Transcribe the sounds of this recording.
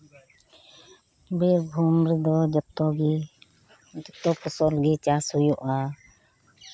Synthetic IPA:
biɾbʱumɾid̪ɔd͡ʒɔt̪ɔɡi | d͡ʒɔt̪ɔpɔsɔlɡɛt͡ʃashujɔʔa

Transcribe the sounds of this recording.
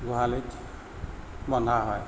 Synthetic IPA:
ɡuɦalit͡ʃ | bɔnd̪ʱaɦɔj

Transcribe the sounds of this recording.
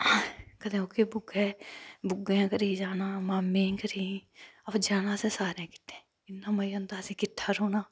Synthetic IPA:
kəd̪ẽːoːkeːbʊɡɛːbʊɡãːkəɾiːd͡ʒaːnãːmaːmːẽːkəɾiːəpːd͡ʒaːnãːsẽːsaːɾãːkɪ̥ʈʰːẽː | ɪnːãːməiːə̃nd̪aːsĩːkɪʈʰːaːɾoːnaː

